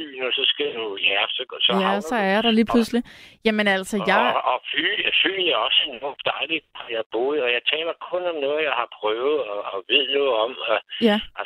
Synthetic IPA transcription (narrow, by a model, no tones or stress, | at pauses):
y̰ːnɔsɒ̽sɡ̥ænujæɐsɒ̥sɒjæsɒ̽æɐjɑɾ̥ɑliːpʰluslijæmenæl̰səjɑɪɒfy̰lfy̰ːljæɒ̽senɔ̥d̥ɑ̈ɪlid̥̚hɑjɑ̈ɪb̥o̝ːð̩ˠɒ̽jɑ̈ɪt͡sʰɛ̰ːlɐkʰɔ̽nɒ̽mnɔ̽ːð̩ˠjɑ̈ɪhɑ̈pʰʁœːʊð̩ˠɒɒʋe̝ð̰ˠnɔ̽ːð̩ˠɒ̽mɔjæ